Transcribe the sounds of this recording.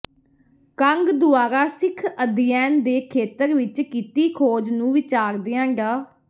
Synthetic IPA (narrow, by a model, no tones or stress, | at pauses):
kəŋɡd̪ʊaːɾaːsɪkʰəd̪ɪjɛːnd̪eːkʰeːt̪əɾʋɪt͡ʃkiːt̪iːkʰoːd͡ʒnũːʋɪt͡ʃaːɾd̪eːãːɡaː